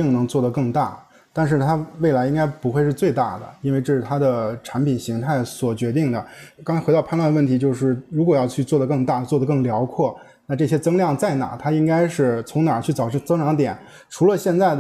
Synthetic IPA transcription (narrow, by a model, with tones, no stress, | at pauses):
i˥˩ŋnɤ˧˥ŋt͡swɔ˥˩d̪ə˩kɤ˥˧ŋt̪a̰˥˩ | t̪a˥˧nʂ̬ɻ̩˥˩t̪ʰa˥we˥˩ɪla˧˥ɪi˥ŋka˥ɪpu˧˥xwe˥˧ɪʂɻ̩˥˧t͡swe˥˧ɪt̪a̰˥˩d̪ə̰˩i˥nwɪʈ͡ʂɤ˥˩ʂɻ̩˩t̪ʰa˥d̪ə˨˩ʈ͡ʂʰa˧˥npi˨˩nɕi˧˥ŋt̪ʰa˥˩ɪswɔ˨˩t͡ɕɥɛ˧˥t̪̬i˥˩ŋd̪ə˩kŋt͡sa˥xɑ˥˧pʰa˥˧nlwa˥˩nə˧wə˥˩nt̪ʰi˧˥t͡ɕjo˥˧ʊʂɻ̩˥˩ɻu˧˥kwɔ˨˩jɑ˥˧ʊt͡ɕʰy˥˧t͡swɔ˥˩d̪ə˩k̬ɤ˥˧ŋt̪a˥˩t͡swɔ˥˩d̪ə˩kɤ˥˩ŋljɑ˧˥ʊkʰwɔ˥˩ | na˥˧ʈ͡ʂɤ˥˩ɕjɛ˥t͡sɤ˥ŋljɑ˥˧ŋt͡sa˥˩ɪna̰˨˩˦t̪ʰa˥i˥ŋka˥ɪʂɻ̩˥˩t͡sʰʊ˧˥ŋna˞˨˩t͡ɕʰy˥˩t͡sɑ˨˩ʊʈ͡ʂɤ˥˧t͡sɤ˥ŋʈ͡ʂʰɑ˧˥ŋt̪jɛ˨˩˦n | ʈ͡ʂʰu˧˥lə˧ɕjɛ˥˧nt͡sa˥˩ɪd̪